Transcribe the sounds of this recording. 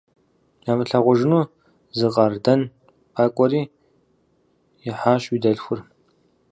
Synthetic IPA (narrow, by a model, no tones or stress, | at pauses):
jaːmɨɬɐʁʷʊʒɪnuː | zɨqɐrdɐn | pʰaːkʷʼɔɾiː | jɪħaːɕwiːdɐɮxʷʊr